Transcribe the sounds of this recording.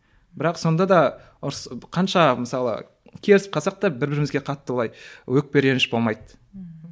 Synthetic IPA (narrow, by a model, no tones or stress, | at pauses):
bɪɾɑqso̞nd̪ɑd̪ɑ | ʊɾsqʰɑnʃɑməsɑlˠə̰ | kʲʰe̞lɪsɪp̚qʰɑsɑq̚t̪ɑbɪɾbɪɾɪmɪzɡʲeqʰɑt̪ːəwəlˠɑjwɵk̚pe̞ɾʲe̞nɪʃbo̞lˠmɑjd̪